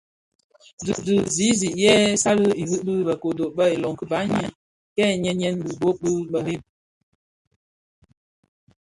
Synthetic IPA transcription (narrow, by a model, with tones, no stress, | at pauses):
du˨du˨zi˨˦zi˨ʔjɛ˦sa˦lə˦i˨hɨ˦ʔbɨ˦bə˨ko˨do˨bə˦e˨lɔ˨ŋ˨kə˦ba˨˦ɲi˦ | kɛ˦˨ɲɛ˦ɲɛ˦nbu˨bo˦ʔ̚bə˦ɓə˨ɾe˦m